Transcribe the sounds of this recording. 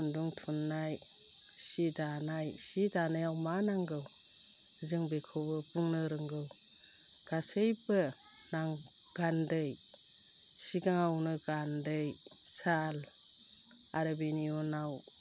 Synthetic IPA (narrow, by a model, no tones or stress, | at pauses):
nduŋtʰunːaj | sidanajsidanajawmanaŋɡɯw | zɯŋbekʰɯbɯbuŋnɯɾɯŋɡɯw | ɡ̥asɯjbɯ | naŋ | ɡ̥andɯj | siɡaŋawnɯɡandɯj | sal | aɾɯbiniɔnaw